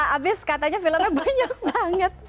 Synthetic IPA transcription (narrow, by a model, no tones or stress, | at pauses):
abɪskat̪aɲafiləmabaɲak̚baŋət̪̚